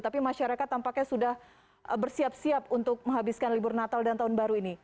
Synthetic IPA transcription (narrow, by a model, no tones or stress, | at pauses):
t̪apimaʃaɾakat̪ːampakɲasudah | bərsiap̚siapunt̪ʊk̚mə̃ŋɦabiskanliburnat̪aldant̪aɦʊnbaɾuini